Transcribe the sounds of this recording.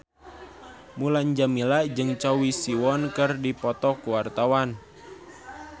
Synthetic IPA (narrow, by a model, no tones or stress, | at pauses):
mulaɲd͡ʒamilaʔd͡ʒɨŋt͡ʃawisiwɔnkɨrdipɔt̪ɔkuwart̪awan